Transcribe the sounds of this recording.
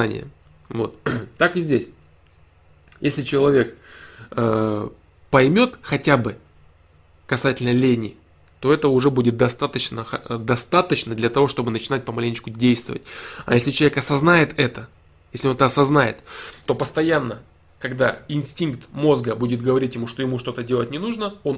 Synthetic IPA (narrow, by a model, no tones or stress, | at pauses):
anʲɪ̰jə̰ | vo̞̰t̪̚t̪akɨzʲdʲesʲ | jesʲlʲɪt͡ɕɪlˠɐvʲe̞k̚ə | pɐjmʲo̞t̪xɐtʲabɨ | kɐsatʲɪlʲnəlʲenʲɪ | t̪o̞ɛt̪əʊʐɛbudʲɪt̪̚d̪ɐst̪at̪ət͡ɕnəxd̪ɐst̪at̪ət͡ɕnəd̪lʲɐt̪ɐvo̞ʂt̪o̞bɨnət͡ɕɪnat̚ʲpəmɐlʲenʲt͡ɕɪ̥kʊdʲejst̪və̰və̰t̚ʲɐ̰jesʲlʲɪt͡ɕɪlˠɐvʲekɐsɐznajɪt̪ɛt̪ə | jesʲlʲɪo̞nɛt̪ɐsɐznajɪ̰t̪ːo̞pəst̪ɐjanːə | kɐɡd̪aɪnʲsʲtʲink̚t̪mo̞zɡəbudʲɪt̪ɡəvɐɾʲitʲjɪmuʂt̪o̞jɪmuʂt̪o̞t̪ədʲe̞lˠətʲnʲɪnuʐnəo̞n